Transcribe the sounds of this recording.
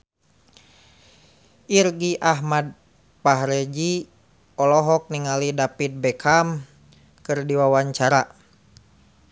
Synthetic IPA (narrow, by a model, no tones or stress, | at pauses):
ʔirɡiʔaɦmad̚ | paɦɾɛd͡ʒi | ɔlɔɦɔk̚niŋalidapit̪̚bɛkʰam | kɨrdiwawaɲt͡ʃaɾa